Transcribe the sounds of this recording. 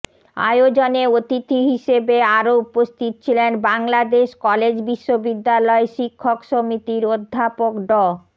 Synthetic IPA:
a̰jod͡ʑoneot̪it̪ʰiɦiʃebeaɾoupost̪ʰit̪ot͡ɕʰilenbaŋlad̪eʃkɔled͡ʑbiʃːobid̪ːalɔeʃikʰːokʃomit̪iɾod̪ʱːapokɖɔ

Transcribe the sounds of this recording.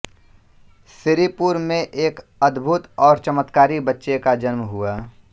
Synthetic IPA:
sɪɾipuɾmẽʔeːkəd̪bʱʊt̪ɔːɾt͡ʃəmət̪kaːɾibətːʃekad͡ʒənməɦʊaː

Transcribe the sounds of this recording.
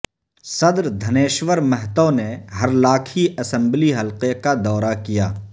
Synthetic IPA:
sɐd̪ɾd̪ʱɐneːʃwəɾmɛɦt̪oneɦɐɾlaːkʰiɐsə̃mbliɦɐlqekad̪ɔːɾakijaː

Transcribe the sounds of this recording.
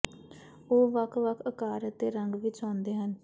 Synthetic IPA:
oːʋəkʰʋəkʰəkaːɾət̪ːeːɾəŋɡʋɪt͡ʃãːnd̪eːɦən

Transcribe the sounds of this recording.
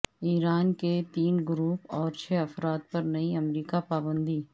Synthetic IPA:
iːɾaːnket̪iːnɡɾuːpɔːɾt͡ʃʰɛːɐfɾaːt̪̚pɐɾnɐiɐmɾiːkapaːbə̃nd̪iː

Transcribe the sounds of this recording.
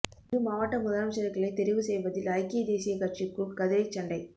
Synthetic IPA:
ɾɯmaːʋɐʈːɐmʊðɐɾɐmsɐɾɐkːɐɭɐɪt̪ɛɾɪʋɯsɛjʋɐðɪlɐɪkːɪjɐd̪eːsɪjɐkɐʈ̚t͡ʃikːuɭkɐðɯɾɐɪt͡ʃːɐɳɖɐɪ

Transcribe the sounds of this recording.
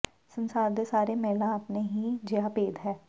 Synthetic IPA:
sə̃nsaːɾd̪esaːɾemɛːlãəpneɦid͡ʒeapeːd̪ɦɛː

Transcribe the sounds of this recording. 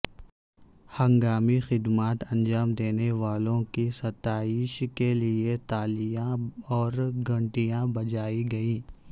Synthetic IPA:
hɐ̃ŋɡaːmixɪd̪maːt̪ɐ̃nd͡ʒaːmd̪eːneʋaːlõkisɐt̪aːiːʃkeliet̪aːlijãɔːɾɡɐ̃ɳʈijãbɐd͡ʒaːiɡɐĩː

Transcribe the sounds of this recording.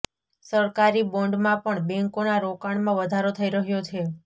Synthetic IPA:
səɾkaɾibõɳɖmãpəɳbɛ̃ŋkonaɾokaɳmãʋəd̪ʱaɾot̪ʰəiɾəɦjot͡ʃʰe

